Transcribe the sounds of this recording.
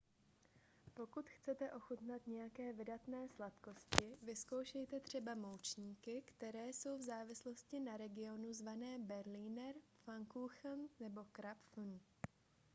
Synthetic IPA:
po̞kut̪xt͡sɛt̪ɛʔo̞xut̪nat̪ɲɛjakɛːvɪdat̪nɛːslat̪ko̞scɪvɪsko̞wʃɛjt̪ɛt̪r̝̥ɛbamowt͡ʃɲiːkɪkt̪ɛɾɛːso̞wvzaːvɪslo̞scɪnaɾɛɡɪo̞nuzvanɛːbɛɾliːnɛɾfaŋkuxnnɛbo̞kɾapf̩n

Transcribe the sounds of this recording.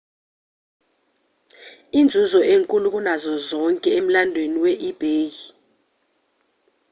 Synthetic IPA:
ind͡zʱuzɔʔeŋkʼulukʼunazɔzɔŋkʼɛem̩landʱweniwɛʔib̥ʱeːji

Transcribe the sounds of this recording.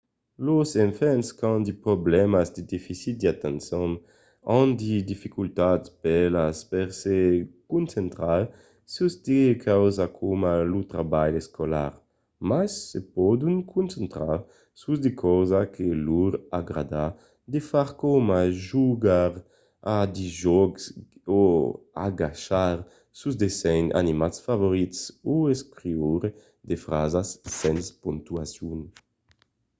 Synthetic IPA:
lozeɱfɛnskand̪ipɾoblɛmazd̪ed̪ifisit̪̚d̪iat̪ansɔŋ | and̪id̪ifikult̪at̪pelaspeɾsekunsent̪ɾal | susd̪ekʰawzakʰomalut̪ɾabajeskola̰ɾ | masːepɔd̪uŋkʰunsent̪ɾaɾ | suzd̪ekʰɔzakʰeluɾaɡɾad̪a | d̪efaɾkɔmaʒuɡaɾ | ad̪iʒɔɡso | a̰ɡaʃaɾ | suzd̪esɛna̰nimat̪sfavoɾit̪sueskɾiuɾe | d̪efɾazasːɛnspuŋt̪uasjuŋ

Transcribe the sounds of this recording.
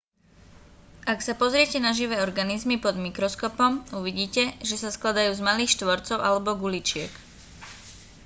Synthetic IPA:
ʔaksapɔzɾɪɛcɛnaʒiʋɛːɔɾɡanizmipɔd̪mikɾɔskɔpɔmuʋiɟiːcɛʒɛsasklad̪ajuːzmaliːxʃt̪ʋɔɾt͡sɔʊʔalɛbɔɡulit͡ʃɪɛk

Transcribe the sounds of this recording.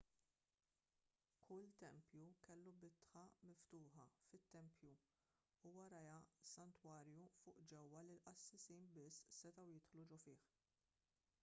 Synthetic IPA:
kʰʊlt̪ɛmpjukɛlːubɪt̪ħɐmɪft̪ʊːħɐfɪt̪ːɛmpʰju | uːwɐɾɐjɐsɐnt̪wɐːɾjufʊːʔd͡ʒɛwːɐlilʔɐsːɪsiːnbɪsːɛt̪ɐwjɪt̪ħlud͡ʒʊfɪːħ

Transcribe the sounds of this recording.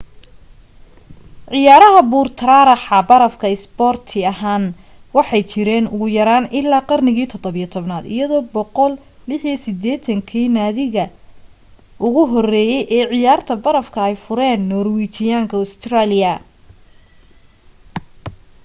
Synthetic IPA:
ʕɪjaːɾɐɦɐbuːrt̪ʰɐɾaːɾɑħɑbɐɾɐfkʰɐɪsbɔːrt̪ʰɪɐɦaːn | wɑħɑjt͡ʃɪɾɛːnʊɣʊjɐɾaːnɪlːaːqɑrnɪɣiːt̪ʰɔd̪ɔβɪjɐt̪ʰɔβnaːd̪ɪ̰jɐðɔːbɔqɔl | lɪħjɛsɪd̪ɛːt̪ʰɐŋkʰɛːnaːðɪɣɐ | ʔʊɣʊɦɔrɛːjɛjʔɛːʕɪjaːrt̪ʰɐbɐɾɐfkʰɐɛjfʊɾɛːnːɔːrwit͡ʃɪjaːŋkʰɐʊst̪ʰraːlɪjɐ

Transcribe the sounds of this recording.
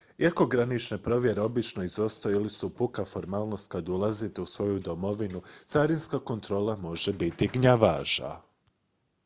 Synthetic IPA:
iako̞ɡɾanit͡ʃne̞pɾo̞ʋje̞ɾe̞o̞bit͡ʃno̞izo̞st̪oilisupukafo̞ɾmaːlˠnost̪̚kad̪ulˠazit̪e̞usʋo̞jud̪o̞mo̞ʋinut̪saɾinskako̞nt̪ɾo̞ːlˠamo̞ʒe̞bit̪iɡɲaʋaʒa̰

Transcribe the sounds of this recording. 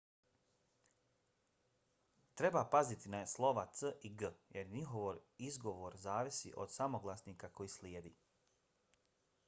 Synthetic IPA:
t̪ɾe̞bapazit̪inaslˠo̞ʋat̪səʔiɡəjeɾɲiɦo̞ʋoɾizɡo̞ʋoɾzaːʋisḭʔo̰d̪̥samoɡlˠasniːkako̞jiːsljeːd̪ḭː

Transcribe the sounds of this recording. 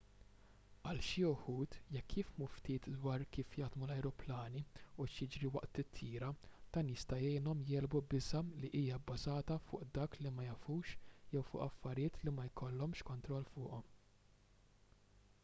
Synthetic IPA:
ɐlʃiʊħuːt̪jɛkʰːjiːfmuft̪iːt̪d̪wɐːɾkiːfjɐːd̪mulɐjɾɔplɐːniʊʃjɪd͡ʒɾiwɐʔt̪ɪt̪ʰːiːɾɐd̪̥ɐːnjɪst̪ɐjɛjnɔmjɛːlbubɪzɐliʔiːjɐbːɐzɐːt̪ɐfʊːʔd̪ɐːklimɐjɐfuːʃjɛwfʊ̰ːʔɐfːɐɾjɪːt̪limɐjkɔlːɔmʃkɔnt̪ɾɔlːfʊːʔɔm

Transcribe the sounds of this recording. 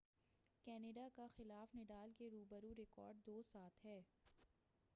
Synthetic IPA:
kɛːneɖakaxɪlaːfnɪɖaːlkeɾuːbəɾuɾɪkɔ̰ːɾɖ̚d̪oːsaːt̪ɦɛː

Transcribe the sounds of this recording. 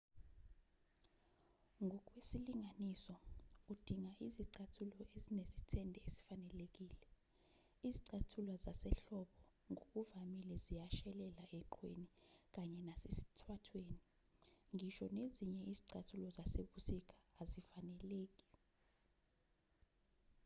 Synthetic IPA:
ŋʱɔk̬ʼwesiliŋʱanisɔud̥ʱiŋaʔiziǀatʰulɔezinezitʰɛndʱɛesi̥fanɛlek̬ʼiːlɛ | iziǀatʰulwazasɛɬɔɓɔŋok̬ʼuvamilɛzijaʃɛlɛlaɛǃʰwḛnik̬ʼaɲɛnasesi̥tʰwatʰweːni | ŋʱiʃɔneziɲɛiziǀatʰulɔzaseɓusik̬ʰʼḁːzifanɛleːk̬ʼi̥

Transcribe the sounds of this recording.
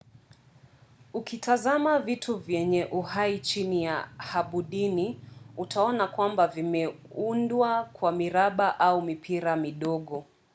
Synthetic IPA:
ukitʰazamavitʰuvjɛɲɛʔuhait͡ʃinijahaɓuɗiniutʰaɔnakwambavimɛ | undwakwamiɾaɓaʔaumipʰiɾamiɗɔɠɔ

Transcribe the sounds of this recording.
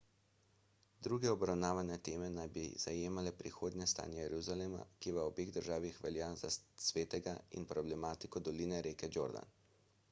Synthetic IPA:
d̪ɾuːɡɛɔbɾawnaːʋanɛt̪eːmɛnajbḭz̥ajeːmalɛpɾixoːd̪nɛst̪a̰ːnjɛjɛɾuzalema̰kiʋaɔbeːɣd̪əɾʒaːʋixʋɛljaːza̰sʋeːt̪ɛɡaḭnpɾɔblɛmaːt̪ikɔd̪ɔliːnɛɾeːkɛd͡ʒo̰ːɾd̪a̰n

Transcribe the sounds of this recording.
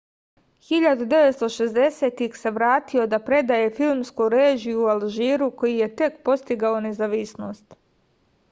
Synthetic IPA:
xiʎad̪ud̪e̞ʋet̪st̪o̞ʃezd̪e̞set̪ixse̞ʋɾaːt̪io̞d̪apɾe̞d̪aje̞filmskoɾeːʒiualʒiːɾuko̞jije̞t̪e̞kpo̞st̪iɡao̞ne̞zaʋisno̞ːst̪

